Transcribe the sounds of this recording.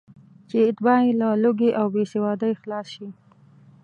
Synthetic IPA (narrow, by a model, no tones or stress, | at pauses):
t͡ʃeɪt̪bɑelaloɡeʔawbesewɑd̪əjxlɑsʃi